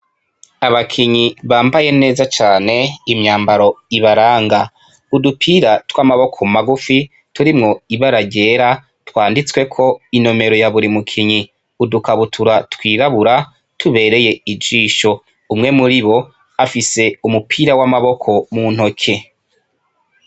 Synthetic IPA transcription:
aβakʰiɲiβaːmbaje̞ne̞ːzat͡ʃaːne̞imɲaːmbaɾo̞iβaɾaːŋɡa | udupʰiːɾatwaːmaβo̞kʰo̞maɡufi | tuɾimŋo̞iβaɾaɟe̞ːɾa | twaːndit͡swe̞kʰo̞ino̞me̞ɾo̞jaβuɾimukʰiɲi | udukaβutʰuɾatwiːɾaβuɾa | tʰuβe̞ːɾe̞je̞id͡ʒiːʃo̞ | umŋe̞muɾiβo̞ | afise̞umupʰiːɾawamaβo̞kʰo̞mun̥ho̞kʰe

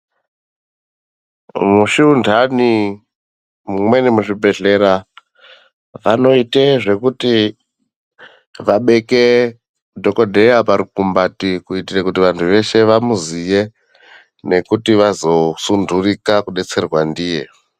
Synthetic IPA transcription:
muʃiundʱani | mumwe̞nimuʐibʱe̞ɮe̞ɾa | ʋano̞iteʐe̞kuti | ʋaɓe̞ke̞ | dʱo̞ko̞dʱe̞japaɾikumbatikuitirakutiʋantʰuʋe̞ʃe̞ʋamuzije̞ | ne̞kutiʋazo̞sundurikakuɗe̞t͡se̞rwandiːje̞̰

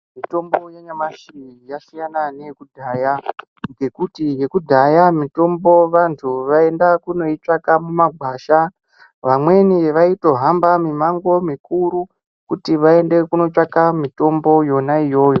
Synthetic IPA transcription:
mito̞mbo̞jaɲamaʃiijasijananijekudʱaːja | ŋɡe̞kutije̞kudʱajamito̞mbo̞ʋantʰuʋae̞ndakuno̞it͡ʂakamumaɡʱwaːʃa | ʋamwe̞niʋaito̞ɦambamimaŋɡo̞mikuɾu | kutiʋae̞nde̞kuno̞t͡ʃakamito̞mbo̞jo̞naijo̞ːjo̞

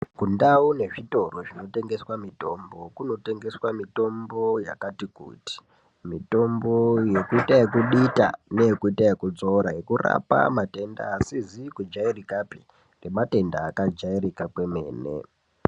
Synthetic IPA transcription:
kundaune̞ʐito̞roʐino̞te̞ŋɡe̞swamito̞ːmbo̞kuno̞te̞ŋɡe̞swamito̞mbo̞ja̰katikṵːti̥ | mito̞mbo̞je̞kuitajekuɗita̰ne̞jekuitaekud͡zoɾaje̞kura̰pa̰mate̞nda̰ːsizikud͡ʒairikapi̥ | nemate̞ndaːkad͡ʒairikakwe̞me̞̰ːnḛ

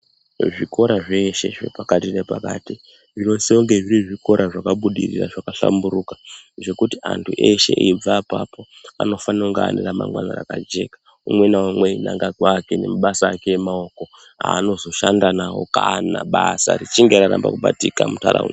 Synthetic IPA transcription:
ʐiko̞ɾaʐe̞ʃe̞ʐe̞̰pakatirepakaːti | ʐiro̞seoŋɡe̞ʐiriʐiko̞ɾʔaʐakaɓuɗirḭra̰ʐakaɬa̰mbuɾukḁʐe̞kutiantʰuʔeʃe̞̰ʔiib͡vaːpapo̞a̰no̞fanauŋɡaːnirama̰ŋɡwana̰rakad͡ʒe̞kḁ | umwe̞nawamwe̞inaŋɡaɡʱwaːkene̞̰maɓasaːke̞jemao̞ko̞ | aːno̞zo̞ʃandanawo̞̰kanaɓasa̰rit͡ʃiŋɡeɾaɾamba̰kuɓatikamuta̰ɾa̰ṵn

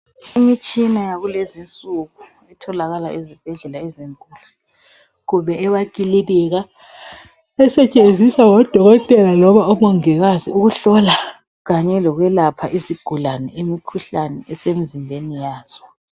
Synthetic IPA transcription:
imit͡ʃʼinajaɣulezint͡sʼuɣu | itʰɔlaɣalaʔizib̥ʱɛɮɛlaɛziŋkʼuːlu | ɣuβɛɛβaɡ̥ʱʼililɛɣa | ɛsɛt͡ʃʼend͡zʱisawɔd̥ʱɔɣɔtʼɛlalɔβaɔmɔŋɛɣaziuɣuɬɔla | ɣaɲɛlɔɣwɛlapʰaʔisiɡ̥ʱulanɛʔemikʰuɬanɛɛsem̩zimbʱenijaːz̥ɔ

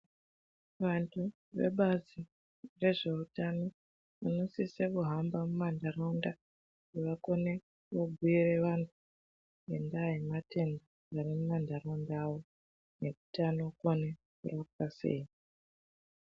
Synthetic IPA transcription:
ʋantʰu | ʋe̞̰ɓazi | re̞ʐe̞utano̞ | ʋano̞sisekuɦambamumandaronda | ɡeʋako̞ne̞ | ʋoɡʱuire̞ʋantʰu̥ | endaemate̞ndo | arimumandarondawo̞ | ne̞kutano̞kone | kurakkase̞̰ːi

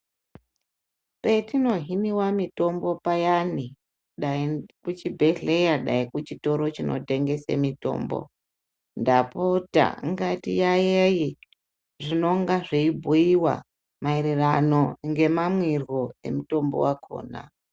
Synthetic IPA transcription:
pe̞tino̞ɦiniwamito̞mbo̞pajani | ɗakut͡ʃibʱe̞ɮe̞jaɗaikut͡ʃito̞ɾo̞t͡ʃinʔo̞̰te̞ŋɡe̞sḛmito̞̰ːmbo̞̰ | ndapota̰ŋɡatḭjajeji | ʐino̞ŋɡaʐeibʱuiwa̰ | maiɾirano̞ŋɡe̞mamwirwoe̞̰muto̞mbo̞̰wakʰo̞̰ːna̰

